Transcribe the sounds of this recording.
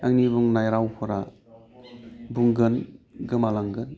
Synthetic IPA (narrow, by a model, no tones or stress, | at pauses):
aŋniβuŋnajɾawpʰuɾa | buŋɡɯn | ɡɯmalaŋɡɯn